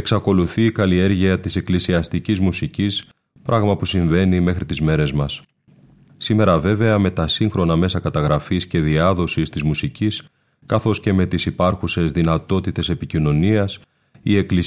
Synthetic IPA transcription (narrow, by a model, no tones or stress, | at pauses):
eksɐko̞luθiːkɐlie̞ɾʝiɐt̪ise̞klisiɐst̪icizmusicis | pɾʔɐɣmɐpusiɱve̞nime̞xɾit̪izme̞ɾe̞zmɐs | sime̞ɾɐve̞ve̞ɐme̞t̪ɐsiŋxɾo̞nɐme̞sɐkɐt̪ɐɣɾɐfisce̞ðiɐðo̞sist̪izmusicis | kɐθo̞sce̞me̞t̪isipɐɾxuse̞zðinɐt̪o̞t̪it̪e̞se̞picino̞niɐs | ie̞kli